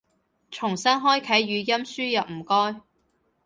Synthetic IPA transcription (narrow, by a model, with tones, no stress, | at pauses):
t͡ʃʰʊ˨˩ŋsɐ˥nɦɔː˥jkʰɐ˨˥jɥyː˨˧jɐ˥msyː˥jɐ˨p̚m̩˨˩kɔː˥j